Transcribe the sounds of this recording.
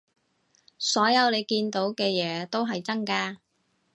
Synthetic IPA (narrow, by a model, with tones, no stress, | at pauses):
sɔː˨˥jɐ˨˧wne˨˧jkiː˧nt̪o˨˥wkɛː˧jɛː˨˥t̪o˥wɦɐ˨jt͡sɐ˥ŋkaː˧